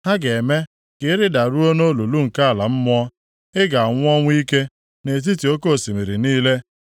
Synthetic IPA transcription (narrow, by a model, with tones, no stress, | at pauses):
ha˦ɡe˨me˦ | kɪ˦ɪ˦ɾɪ˦da˨ɾu˦o˦no˦lu˨lu˦ŋ̩˨ka˦a˨la˨m̩˦mʊ˦ɔ˦ | ɪ˦ɡa˨ŋʷ˦ɔ˦ŋʷ˦i˦ke˦ | ne˨t̬i˦ti˨o˦ko˦˨si˨mi˨ɾi˨niː˦le˦